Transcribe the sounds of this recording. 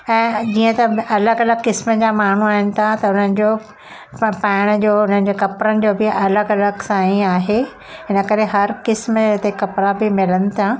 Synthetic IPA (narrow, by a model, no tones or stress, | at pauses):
ɛ̃ːd͡ʑiːə̃t̪ɐɐləɡɐləɡkɪsməd͡ʑaːmaːɳ̤uaːɦɪnɪ̆t̪ʰat̪ɐʊn̤ənɪ̆d͡ʑoː | paːɪɽ̃əd͡ʑoːʊn̤ənɪd͡ʑekɐpɾənɪ̆d͡ʑoːbɪɐləɡɐləɡsãːĩaːɦe | ɦɪnəkɐɾeɦɐɾkɪsməɪt̪ekɐpɾabɪmɪlənɪ̆t̪ʰa